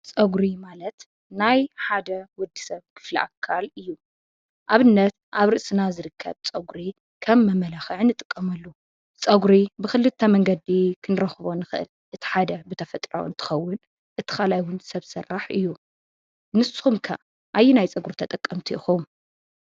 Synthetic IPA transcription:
t͡sʼɐɡɾimalɐt̪ | najħad̪ɐwɔd̪ːi̥sɐβkʰɨ̥flḭʔa̰kʰalɨjːu | ʔaβɨnːɐt̪ʔaβɾɨʔsʼɨnazɨɾɨkʰːɐ̰βt͡sʼɐɡɾi | kʰɐmːɐmɐlaxʕnɨt̪ʼɨkʼːɐmɐlːu | t͡sʼɐɡɾibɨxɨlɨt̪ʰːɐmɐŋɡɐd̪ikʰɨnɨɾɐxɨβonɨxɨʔɨ̰l | ʔɨt̪ʰi̥ħad̪ɐbɨt̪ʰɐfɐt̪ʼɾo̰ɨ̰nt̪ʰɨ̥xɐwːʊn | ʔɨt̪ʰɨ̥xalajwʊnsɐβsɨrːaħɨjːu | nɨsɨ̥xumkʰɐ | ʔajːinajt͡sʼɐɡuɾt̪ʰɐt̪ʼɐkʼːɐmt̪ʰiʔɨxowm

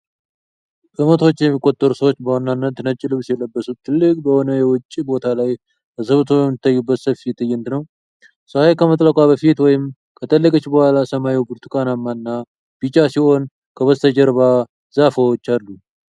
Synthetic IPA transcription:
ʔɨmət̪ʰo̞t͡ʃːjɛmːikʼːo̞t̪ʼːəɾusəwo̞t͡ʃːbəwanːanːət̪nət͡ʃʼːilɨβsjɛləbːəsut̪ʰːɨlːɨkʼbəho̞nəjɛwʊt͡ʃʼːibo̞t̪ʰalaj | bəzəβɨt̪ʰobjɛmːɨt̪ʰːajːubːət̪səfijɛt̪ːɨjɛnt̪nəw | səwajkʰəmət̪ʼləkʷʼabəfit̪wɔjɪm | kʰət̪ʼəlːəkʼət͡ʃːbəhʷalasəmajiwbɨɾt̪ʰukʼanamːanːa | b̥it͡ʃʼasiho̞n | kʰəβəzt̪ʰəd͡ʒəɾβa | zafəwot͡ʃːalːu

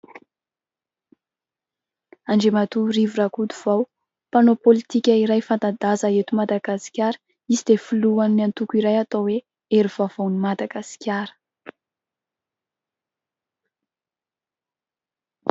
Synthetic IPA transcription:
aɳɖ͡ʐemat̪urivuɾakud̪uv̥aw | panopolit̪ikʲaiɾajfant̪ad̪azaet̪umad̪aɡasi̥kʲaɾə̥ | izid̪efuluannant̪ukiɾajat̪owe | eɾiv̥av̥awnimad̪aɡasi̥kʲjaɾə̥

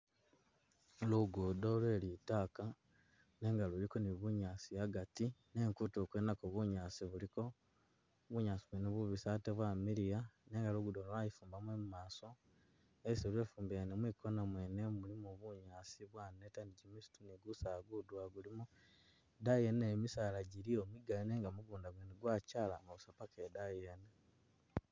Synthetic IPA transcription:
luɡudoːlwe̞litaka | ne̞ːŋɡalulikoniβuɲaːsijaɡatine̞ːŋkutokwenakoβuɲaːsiβuliko̞ | βuɲasiβweneβuβisateβwaːmiɾijane̞ːŋɡaluɡudolajifuːmbamwemumaːso̞ | esilweːfuːmbianemwiko̞namweːnemulimoβuɲaːsiβwaːnetaniɟimisi̥tuniɡusaɡudwaɡulimu | dajenemisalaɟiɾiomiɡaineːŋɡamuɡuːndaɡweniɡwacaːlaŋɡoβusapakedajene

